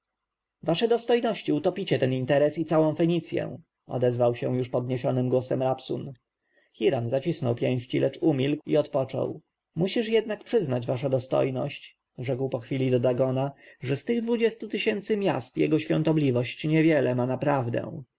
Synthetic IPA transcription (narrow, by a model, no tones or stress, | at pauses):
vaʂɛd̪ɔst̪ɔjnɔɕt͡ɕiut̪ɔpʲit͡ɕɛt̪ɛnint̪ɛɾɛsit̪sawɔ̃w̃fɛɲit̪sʲjɛ̰ | ɔ̰d̪ɛzvawɕɛw̃juʂpɔd̪ɲeɕɔnɘmɡwɔsɛmɾapsṵn | xʲiɾanzat͡ɕisnɔwpʲjɛ̃w̃ɕt͡ɕilʔɛt͡ʂumʲilkḭɔt̪pɔt͡ʂɔ̰w | muɕiʂjɛd̪nak̚pʂɘznad͡ʑvaʂ̬ad̪ɔst̪ɔ̰jnɔ̰ɕt͡ɕ | ʐɛkwpɔxfʲilʲid̪ɔd̪aɡɔnaʐɛst̪ɘɣd̪vud͡ʑɛst̪ut̪ɘɕɛnt̪sɘmʲja̰st̪jɛ̰ɡɔɕfʲjɔ̃nt̪ɔblʲivɔɕt͡ɕɲɛvʲjɛlɛmanapɾavd̪ɛ̰